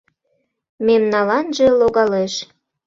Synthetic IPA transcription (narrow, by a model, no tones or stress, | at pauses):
memnɑlɑnʒeloɣɑleʃ